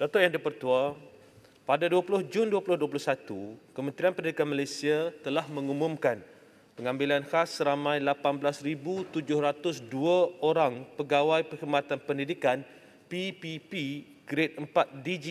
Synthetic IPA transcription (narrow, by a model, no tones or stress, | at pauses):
dat̪ɔʔjaŋdipərt̪ua | padaduapulʊhd͡ʒʊnduapulʊhduap̬ulʊhsat̪ukəmə̃nt̪ɾianpəndidikanmalajsiat̪əlahmə̃ŋumʊ̃mkan | pəŋãmbilanhasːəɾamãjlapanbəlasɾibut̪ud͡ʒʊhɾat̪ʊsduaoɾaŋpəɡawajpəhərmãt̪anpəndidikan | pipipi | ɡɾɪt̪̚əmpat̪̚did͡ʒi